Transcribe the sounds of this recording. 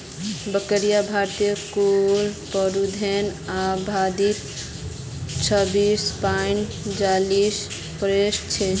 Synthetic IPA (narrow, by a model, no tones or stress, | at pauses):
bəkəɾijabʱaɾt̪ikulpəɾud̪ʱɛnabʱad̪it̪ | t͡ʃʰəbispan | d͡ʒalis | pɾesʈt͡ʃʰɛ